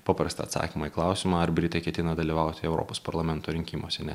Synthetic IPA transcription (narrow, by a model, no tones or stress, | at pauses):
pɑpɾɐst̪ɐ̰ːt̪sɑ̰ːkʲimɑːiklˠɑˑʊsʲimɑːɐɾbʲɾʲɪt̪ɐɪkʲɛt̪ʲɪnɐd̪ɐlʲiːʋɑˑʊt̪ʲɪɛʊɾo̰ːpospɐɾlˠɐmʲɛnt̪oːɾʲɪŋʲkʲiːmo̰ːsʲɛnʲɛ